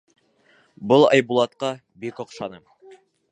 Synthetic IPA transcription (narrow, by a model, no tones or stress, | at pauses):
bɤlˠɑ̰jbulˠɑt̪qɑ | bikŏqʃɑnɤm